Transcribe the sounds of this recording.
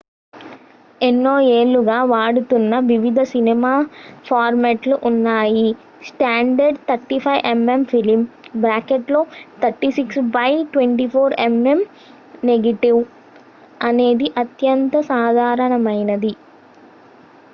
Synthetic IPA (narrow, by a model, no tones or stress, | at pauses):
enːoːeːɭːuɡaːʋaːɽut̪unːɐʋiʋid̪ʱɐsinimaːpʰaːɾmeːʈluʔunːaːji | sʈaːɳɖɐɾɖt̪ʰɐɾʈipʰɐjʔemempʰilimbɾaːkeʈlo̞ːt̪ʰɐɾʈiːsiksbɐjʈʋeɳʈipʰoːɾeme̞m | neɡɐʈiʋ | ɐne̞ːd̪iʔɐt̪jɐnt̪ɐsaːd̪ʱaːɾɐɳɐmɐjnɐd̪i